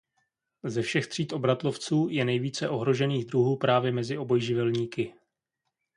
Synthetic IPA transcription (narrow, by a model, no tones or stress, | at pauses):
zɛfʃɛxt̪r̝̥iːt̪ʔo̞bɾat̪lo̞ft͡suːjɛnɛjviːt͡sɛʔo̞ɦɾo̞ʒɛniːɣd̪ɾuɦuːpɾaːvjɛmɛzɪʔo̞bo̞jʒɪvɛlɲiːkɪ